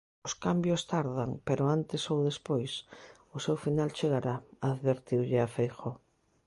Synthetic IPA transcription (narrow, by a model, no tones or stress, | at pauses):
ʊskambjost̪aɾðaŋpeɾʊant̪ɪsowðespojs | ʊsewfinalt͡ʃeɣaɾaaðβeɾt̪iwʎɪafejxo